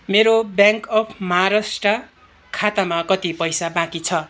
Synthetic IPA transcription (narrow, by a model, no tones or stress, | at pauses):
meɾobjãŋkʌpʰmʌɦːɾasʈʌ | kʰat̪amakʌt̪ipʌjsabãkit͡sʰʌ